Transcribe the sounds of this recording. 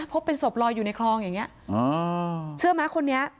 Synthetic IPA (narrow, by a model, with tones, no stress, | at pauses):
pʰo˦˥pːe˧nso˨˩p̚lɔː˧jːuː˨˩na˧jkʰlɔː˧ŋja˨˩ŋːi˦˥ɐʔɤː˧t͡ɕʰɯ˥˩əmaː˦˥kʰo˧nːi˦˥ɐ